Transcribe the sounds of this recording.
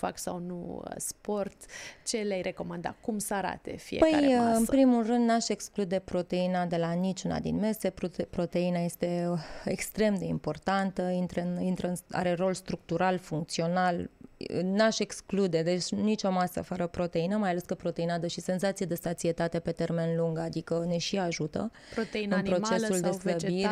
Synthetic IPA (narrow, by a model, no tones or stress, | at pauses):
fa̰ksawnṵə̰spo̞rt̪t͡ʃe̞leajɾʔe̞ko̞mand̪a̰kumsəaɾa̰t̪e̞̰fiepəkja̰aɨməpɾimulrɨnd̪naʃe̞ksklud̪e̞pɾo̞t̪e̞inad̪e̞lanit͡ʃuna̰d̪ḭnme̞se̞ppɾot̪e̞inaje̞st̪e̞ḛkst̪ɾe̞md̪e̞impo̞rt̪ant̪əint̪ɾənint̪ɾəɨna̰ɾe̞ro̞lst̪ɾuk̚t̪uɾalfuŋk̚t̪sio̞nal | naʃe̞ksklud̪ed̪e̞t͡ʃʲnit͡ʃo̞masə̰fəɾəpɾo̞t̪e̞inəmajale̞skəpɾo̞t̪e̞inad̪əʃise̞nzat̪sijed̪e̞sat̪sie̞t̪at̪e̞pe̞t̪e̞rme̞nluŋɡad̪ikəne̞ʃiaʒut̪ə̰ | oeɨnpɾo̞t͡ʃe̞suld̪e̞sləbiɾʲ